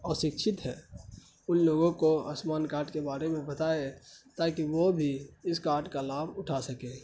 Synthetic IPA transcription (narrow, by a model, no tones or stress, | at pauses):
ɔːʃɪkʃʰɪt̪ɦɛ̰ | ʊnloːɡõkoə̰smaːnkaːɾʈkebaːɾemẽbɐt̪aːet̪aːkiʋobʱiɪskaːɾʈkalaːbʊʈʰasɐkeː